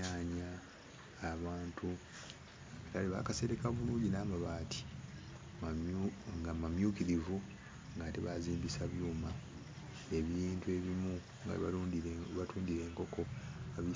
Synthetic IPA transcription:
aːɲaː | βaːntʰu | ataliβa̰ːkase̞ɾekaβuluːɲɟinaːmaβaːtʰi̥ | ŋɡamamjuːkiɾivu | ŋɡateβaziːmbisaβjuːma | e̞βiːntue̞βimu | ŋɡa̰ββatuːndiɾe̞ːŋko̞ko̞aβi

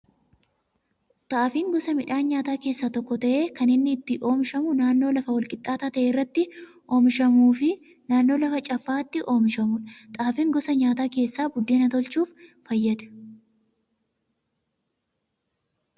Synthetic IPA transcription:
t̪ʼaːfiːŋɡɔsɐmɪᶑaːnɲaːt̪aːke̞ːsːat̪ɔkːɔt̪ɐʔe̞ːkɐnɪnːɪːt̪ːɪʔo̞ːmɪʃɐmʊnaːnːo̞ːlɐfɐwɐlkʼɪt̪ʼːaːt̪at̪ɐʔeːɪrːɐt̪ːɪ | ʔo̞ːmɪʃɐmuːfɪ | naːnːo̞ːlɐfɐt͡ʃʼɐfːaːt̪ːɪʔo̞ːmɪʃɐmʊnt̪ʼaːfiːŋɡɔsɐɲaːt̪aːke̞ːsːaːbʊd̪ːeːnɐt̪ɔlt͡ʃuːfː | ɐjːɐd̪ɐ̥

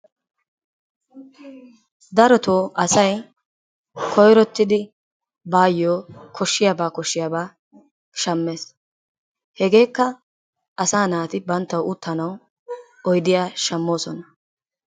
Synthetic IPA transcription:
d̪ɐɾɔt̪oːʔɐsɐj | kʰɔjɾɔt̪ːɪd̪ɪ | baːjːoːkʰɔʃːɪjaːbaːkɔʃːɪjaːbaː | ʃɐmːeːs | hɛɡe̞ːkːɐ | ɐsaːnaːt̪ɪbɐnt̪ːɐwʊt̪ʰːɐnɐw | ɔjd̪ɪjaːʃɐmːo̞ːsɔnɐ

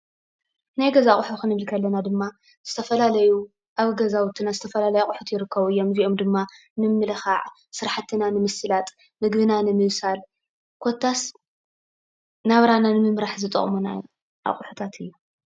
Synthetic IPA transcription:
najɡɐzaχʼʊħuxɨnɨβɨlkʰɐlːɐnad̪ɨmːa | z̥ɨt̪ʰɐfɐlalɐju | ʔaβɡɐzawʊt̪ʰːinazɨt̪ʰɐfɐlalɐjuaχʼħut̪jɪɾɨkːɐβuɨjːo̞mziʔo̞md̪ɨmːa | nɨmːɨlɐxaʕ | sɨɾaħat̪ʰːɨnanɨmɨsɨlat̪ʼ | mɨɡβɨnanɨmɨβsal | kʰot̪ʰːas | naβɾananɨmɨmɾaħzɨt̪ʼɐ̰χʼmuna̰ | ʔa̰χʼħu̥t̪ʰat̪ʰɨjːu

